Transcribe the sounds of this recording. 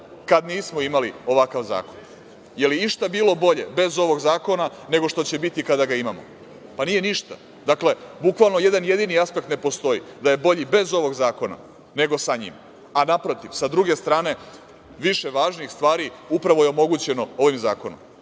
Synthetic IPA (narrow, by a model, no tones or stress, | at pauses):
kad̪niːsmo̞imalio̞ʋakaʋza̰ːko̞n | je̞liiʃt̪abiːlˠo̞bo̞ʎe̞̰be̞zo̞ʋo̞ɡzaːko̞na | ne̞ɡo̞ʃt̪o̞t͡ɕe̞bit̪ikad̪aɡaimamo̞̰ | panije̞niʃt̪a̰ | d̪akle̞bukʋalˠno̞je̞d̪anjed̪iniaspe̞k̚t̪ne̞po̞st̪o̞id̪aje̞bo̞ʎibe̞zo̞ʋo̞ɡzaːko̞na̰ | ne̞ɡo̞saɲḭm | anapɾo̞t̪iʋsad̪ɾuɡe̞st̪ɾaːne̞ | ʋiʃe̞ʋaːʒnixst̪ʋaːɾiupɾaʋo̞jeo̞mo̞ɡut͡ɕe̞no̞o̞ʋimzaːko̞nom